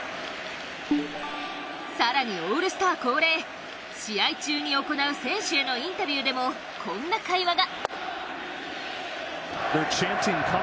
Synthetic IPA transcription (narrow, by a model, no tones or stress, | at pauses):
saɾaɲ̟io̞ːɾɯ̟sɨ̥t̪aβːko̞ːɾe̞ː | ɕijait͡ɕɨːɲ̟io̞ko̞naɯ̟sẽ̞ɰ̃ɕɨe̞noĩnt̪abʲiːd̪e̞mo̞ | kʰõ̞nːakaiβaɡa | ðə˞t͡ʃʰæ̃nsɪ̃ŋkʰa